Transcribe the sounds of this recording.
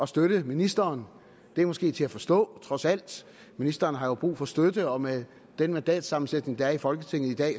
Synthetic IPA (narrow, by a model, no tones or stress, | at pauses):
ɒ̽sd̥øɾ̥əminisd̥ɐːn | d̥e̝ɐmɒ̽sɡ̥e̝̰ːt͡sʰe̝æfɒ̽sd̥ɔ̰̽ːt͡sʰʁɒ̽sæl̰d̥ | minisd̥ɐːnɦɑ̈job̥ʁṵːfɒ̽sd̥ød̥əɒ̽me | d̥enmænd̥ɛ̰ːd̥sɑ̈mn̩sed̥ne̝ŋd̥ɑ̈æɐifɒ̽lɡ̥ət͡sʰe̝ŋ̰ð̩ˠid̥ɛ̰ː